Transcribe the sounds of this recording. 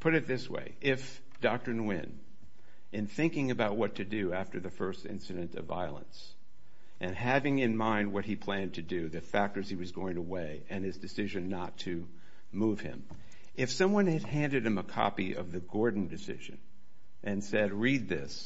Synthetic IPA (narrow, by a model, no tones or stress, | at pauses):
pʰʊɾɨt̪̚ðɪswḛɪʔɪf | d̥ɑk̚tə˞nwɪ̰̃n | ʔɨ̃nθɪ̃ŋkɪ̃ŋɨbaʊt̚wʌtʰɨdɨæftə˞ðɨfɜ˞stɪ̰̃nsɨɾɨ̃ntʰʌ̰va̰ɪlˠə̰̃ns | ʔɨ̃nɦævɪ̃ŋɨ̃nmãɪ̃nd̚wʌt̚hipʰl̥æ̃ntʰɨdɨðɨfæk̚tə˞z̥iwʌzɡoʊɪ̃ŋəweɪʔɨ̃nɨzdɨsɪʒɨ̃nːətʰɨ | muv̥ɪ̰̃m | ʔɨfsʌ̃mwʌ̃nɨd̚hæ̃ndɨɾ̚ɨ̃məkʰɑ̰piʔʌ̰vðɨɡɔɹdⁿn̩dɨsɪ̰ʒ̥ɨ̰̃n | ʔɨ̃nsɛd̚ɹid̪̚ðɪ̰s